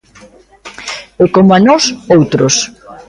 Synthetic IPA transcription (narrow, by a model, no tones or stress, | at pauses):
ekomoanɔsowt̪ɾos